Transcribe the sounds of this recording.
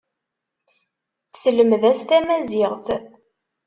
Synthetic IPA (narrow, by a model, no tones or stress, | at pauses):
θsləmðæst̪æmæzɪʁθ